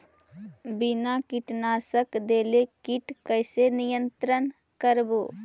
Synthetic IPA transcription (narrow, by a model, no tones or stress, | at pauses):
bɪnakɪʈnaːsəkd̪eːlekiʈkəɪsenijə̃nt̪ɾən | kəɾboː